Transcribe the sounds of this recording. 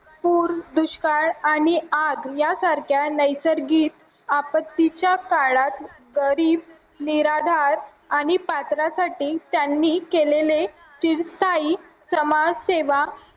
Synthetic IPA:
puːɾd̪uɕkaɭaɽ̃iaɡjasaɾkʰjanəjsəɾɡiːt̪ | apət̪ːit͡ɕjakaɭat̪ | ɡəɾiːb̚ | niɾad̪ʱaɾ | aɽ̃ipat̪ɾasaʈiːt̪janːiːkelele | tiɾst̪ʰaiː | səmad͡zseʋa

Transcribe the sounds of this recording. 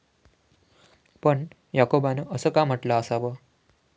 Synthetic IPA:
pəɳ | jakobanəʔəsəːkam̤əʈlaəsaʋə

